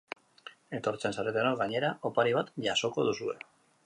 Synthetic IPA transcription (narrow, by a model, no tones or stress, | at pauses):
e̞t̪o̞ɾt͡se̞nsaɾet̪enoɾɣaɲe̞ɾao̞paɾiβ̞at̪ʝaso̞ko̞ð̞usue̞̰